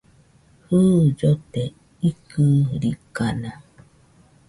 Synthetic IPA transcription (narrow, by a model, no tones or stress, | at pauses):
hɨd͡ʒɔtɛ | ikɨɾikana